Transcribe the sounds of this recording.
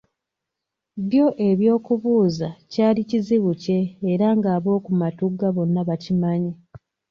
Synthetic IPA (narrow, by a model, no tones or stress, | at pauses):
βjo̞ʔe̞βjo̞ːkuβuːzacaːliciziβuce̞ːɾaŋɡaːβo̞ːkumatuɡːaβo̞nːaβacimaɲe